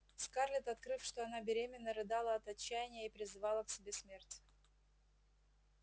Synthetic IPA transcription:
skarlʲɪt̪ɐt̪kɾɨfʂt̪oɐnabʲɪɾʲemʲɪnːəɾɨd̪alˠəɐt̪ɐt͡ɕːæjɪnʲɪjəipɾʲɪzɨvɑlˠəksʲɪbʲesmʲe̞rtʲ

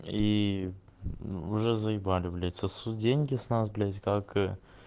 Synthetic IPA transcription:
i | ʊʐɛzəɪbalʲɪblʲet͡s̪ʲəsudʲenʲɡʲɪsnasblʲetʲkak

